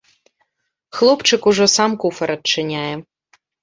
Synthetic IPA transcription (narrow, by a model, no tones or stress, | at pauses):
xlˠɔpt͡ʃɪkʊʒɔsɑmkufɛɾɐt̪̚t͡ʃɪnʲajɛ